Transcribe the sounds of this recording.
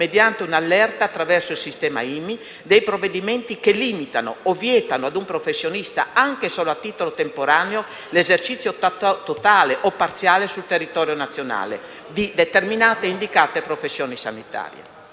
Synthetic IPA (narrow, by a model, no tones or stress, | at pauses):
med̪jant̪eunalːɛrt̪aːt̪ːɾavɛrsoilsist̪ɛːma̰iːmi | d̪ejpɾovːed̪imɛnt̪ikelimit̪ano̰ɔvjɛːt̪anoad̪umpɾofesːjonist̪a̰aŋkesɔːloat̪ːiːt̪olot̪empoɾaːneo | lezert͡ʃit̪sjot̪ot̪aːleʔɔpːart̪sjaːlesult̪erːit̪ɔːɾjonat̪sːjona̰ːlḛ | d̪id̪et̪erminaːt̪eind̪ikaːt̪epɾofesːjɔːnisa̰nit̪a̰ːɾjḛ